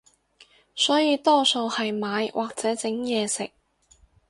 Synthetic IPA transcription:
sɔː˨˥jiː˨˧t̪ɔː˥so˧whɐ˨jmaː˨˧jwʔaː˨k̚t͡sɛː˨˥t͡sɪ˨˥ŋjɛː˨˧sɪ˨k̚

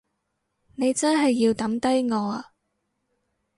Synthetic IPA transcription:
ne˨˧jt͡sɐ˥nɦɐ˨jːiː˧wt̪ɐ˨˥mt̪ɐ˥jŋɔː˨˧aː˧

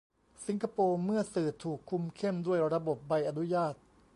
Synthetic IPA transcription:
si˨˦ŋkʰa˧poː˧mɯ˥˩ɐsɯː˨˩t̪ʰuː˨˩kʰːu˧mkʰe˥˩mdu˥˩əjɾa˧bo˨˩p̚ba˧jʔa˧nu˦˥jaː˥˩t̪̚

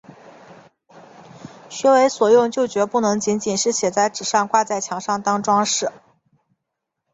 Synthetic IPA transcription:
ɕɛ˥we˧˥ɪswɔ˨˩jʊ˥˧ŋt͡ɕjo˥˩ʊt͡ɕɥɛ˧˥pu˥˩nɤ˧˥ŋt͡ɕi˧˥nt͡ɕi˨˩nʂɻ̩˥˩ɕjɛ˨˩t͡sa˥˩ɪʈ͡ʂɻ̩˨˩ʂɑ˥˧ŋkwa˥˧t͡sa˥˩ɪt͡ɕʰjɑ˧˥ŋʂɑ˥˩ŋt̪ɑ˥ŋʈ͡ʂwɑ˥ŋʂɻ̩˥˩

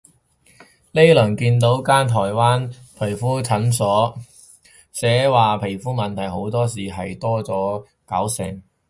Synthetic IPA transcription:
le˥lɵ˨˩nkiː˧nt̪̬o˨˥wkaː˥nt̪ʰɔː˨˩jwaː˥npʰɵ˨˩jfuː˥t͡sʰɐ˨˥nsɔː˨˥ | sɛː˨˥waː˨pʰe˨˩jfuː˥mɐ˨nt̪ʰɐ˨˩jho˨˥wt̪ɔː˥siː˨ɦɐ˨jt̪ɔː˥t͡sɔː˨˥ | kɐ̰˨˥wsɛ̰ː˨˩ŋ

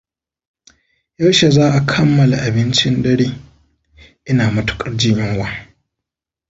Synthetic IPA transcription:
jɐ˦wʃe˨zaː˦ʔa˨kʰɐ˦mːɐ˨la˨ʔa˨bɪ˦nt͡ʃɪ˦ndɐ˦ɽeː˦ | ʔɪ˦naː˨mɐ˦tu̥˨kʼɐ˦ɽd͡ʒɪ˦ɲjɪ˦ŋwaː˦

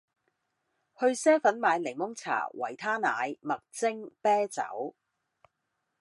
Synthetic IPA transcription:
hɵ˧ɥsɛː˥fɐ˨˥nmaː˨˧jlɪ˨˩ŋmʊ˥ŋt͡sʰa̰ː˨˩wɐ̰˨˩jt̪ʰaː˥na̰ː˨˧jmɐ˨k̚t͡sɪ˥ŋpɛː˥t͡sɐ̰˨˥w

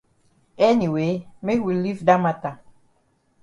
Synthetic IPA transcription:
ɛ˦ni˨we˨me˦wi˨li˦vda˦ma˨ta˨

